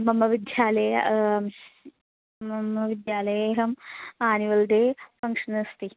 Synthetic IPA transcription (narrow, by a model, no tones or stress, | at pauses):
mɐmːɐʋid̪jaːlɐɐm | ɐmɐʋid̪jaːlɐjeːɦɐmaːniʋɐld̪eːfɐŋʂɐnɐst̪i